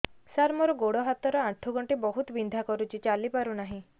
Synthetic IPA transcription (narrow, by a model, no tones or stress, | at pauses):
saɾmɔɾɔɡoɽɔɦat̪ɔɾɔaʈʰuɡɔɳʈibɔɦut̪ɔbind̪ʱakɔɾut͡ʃʰit͡ʃalipaɾunaɦĩ